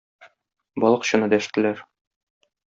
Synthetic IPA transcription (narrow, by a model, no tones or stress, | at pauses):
bɒlˠɤqɕɤ̆nɤd̪æʃt̪ɘ̆læɾ